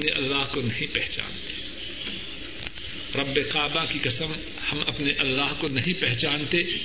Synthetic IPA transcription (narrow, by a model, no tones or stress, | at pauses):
neʔɐ̰lːaːɦkonɐɦĩpɛɦt͡ʃa̰ːnt̪e̥ | ɾɐbːeqaːbakikɐsəm | hɐmɐpneʔɐlːaːɦkonɐɦĩpɛɦt͡ʃaːnt̪eː